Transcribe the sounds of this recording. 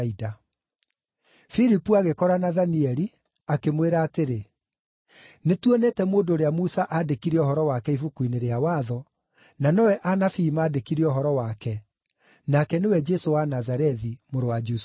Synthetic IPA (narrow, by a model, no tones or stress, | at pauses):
ida | fiɾipuaɣekɔɾanaðaniɛɾi | akemweɾaːteɾe | netwɔnɛtɛmoːndoːɾeamusaʔadekiɾeɔɦɔɾɔwakɛifukwuineɾeawaðɔ | nanɔwɛʔanafimaːdekiɾiɔɦɔɾɔwakɛ | nakɛnewɛd͡ʒɛsowanazaɾɛðimoɾowad͡ʒus